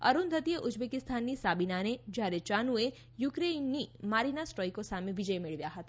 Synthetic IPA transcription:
əɾund̪ʱət̪ijeʔʊd͡ʒbekɪst̪ʰanːisabinaned͡ʒaɾet͡ʃanue | jʊkɾenːimaɾinasʈɾɔjkosamẽʋid͡ʒəjmɪɭʋjaɦət̪a

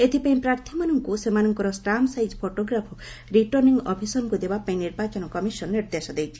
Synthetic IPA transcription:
et̪ʰipaĩpɾaɾt̪ʰimanɔŋkusemanɔŋkɔɾɔsʈɾamsajd͡ʒpʰoʈoɡɾapʰɔɾiʈɔɾniŋɡɔpʰisɔnɔkud̪ebapaĩniɾbat͡ʃɔnɔkɔmisɔnniɾd̪esɔd̪ejt͡ʃʰi̥

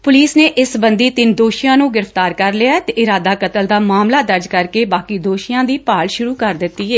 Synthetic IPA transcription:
pʊliːsneːʔɪsbənd̪iːt̪ɪnd̪oːʃɪjãːnũːɡɪɾəft̪aːɾkəɾlɪaːt̪eːʔɪɾaːd̪aːkət̪əld̪aːmaːmlaːd̪əɾd͡ʒkəɾkeːbaːkiːd̪oːʃijãːd̪iːpaːlʃʊɾuːkəɾd̪ɪt̪ːiːeː

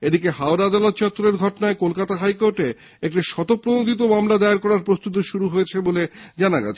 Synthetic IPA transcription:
ed̪ikeɦaoɾaad̪alot̪t͡ɕɔt̪ːɾeɾɡʱɔʈonaekolkat̪aɦajkoɾʈe | ek̚ʈiʃɔt̪opːɾonod̪ʱit̪̬omamlad̪ajaɾkɔɾaɾpɾost̪ut̪iʃuɾuɦojet͡ɕʰeboled͡ʑanaɡa̰t͡ɕʰe̥

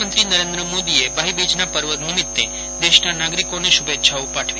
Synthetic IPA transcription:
ənt̪ɾinəɾẽnd̪ɾəmod̪iebʱaɦibid͡ʒnapəɾʋəd̪nimit̪ːḛ | d̪eʃnanaɡɾikoneʃubet̪ːʃʰaupaʈʰʋi

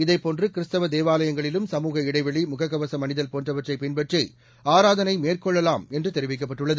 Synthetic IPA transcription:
ɪðɐɪpːoːndrɯkɪɾɯst̪ɐʋɐd̪eːʋaːlɐjɐŋɡɐɭɪlɯmsɐmuːɣɐɪɽɐɪʋɐɭimʊɣɐɣːɐʋɐsɐmɐnɪðɐlpoːndrɐʋɐʈrɐɪpɪnbɐʈrɐɪ | aːɾaːðɐnɐɪmeːrkɔɭːɐlaːmɛndrɯt̪ɛɾɪʋɪk̬ːɐpːɐʈːɯɭːɐðɯ

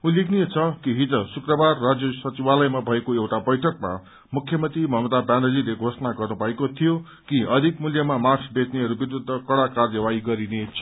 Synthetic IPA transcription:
ulikʰniet͡sʰʌkiɦit̪ʌsukrʌbarːad͡zjʌsʌt͡sibalʌjmabʱʌekoewʈabʌjʈʰʌkma̰ | mukʰːjʌmʌnt̪imʌɦmʌd̪abanʌlileɡʱosʌnaɡʌrnubʱʌekot̪ʰijo | kiʌd̪ʱikmuljʌmamart͡sʰbet͡sneɾubid̪ud̪ʱːʌkʌɽakarjʌwaiɡʌɾinet͡sʰʌ̥

